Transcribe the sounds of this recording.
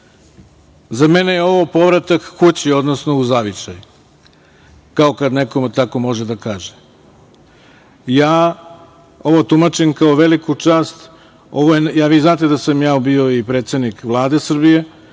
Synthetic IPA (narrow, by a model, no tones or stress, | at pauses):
zamenejeo̞ʋopo̞ʋɾat̪akkut͡ɕio̞d̪nosno̞uzaʋit͡ʃaju | kaokad̪nekomet̪ako̞mo̞ʒe̞d̪akaːʒe | jaː | o̞ʋo̞t̪umat͡ʃinkaoʋe̞likut͡ʃaːst̪ | o̞ʋojenjaːʋiznaːt̪ed̪asamjaːubio̞ipɾeːt̪sed̪nikʋlˠaːd̪e̞sr̩bije̞